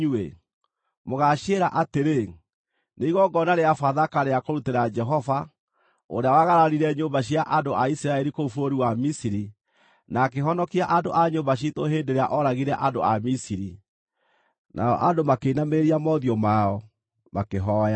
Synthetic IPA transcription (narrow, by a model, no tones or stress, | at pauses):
uḛ | moɣaɕeɾaʔateɾe | neiɣɔɡɔnaɾeafaðakaɾeakoɾuteɾad͡ʒɛɦɔva | o̰ɾeawaɣaɾaɾiɾɛɲombaɕiaʔandoʔaisiɾaɛɾikoufoɾiwamisiɾi | nakeɦɔnɔkiaʔandoʔaɲombaɕ̬itoɦeːndeɾeaʔɔɾaɣiɾɛʔando̰amisiɾi | nʔa̰ɔ̰ʔandomakeinameeɾiamɔðiɔmaɔ | makeɦɔːja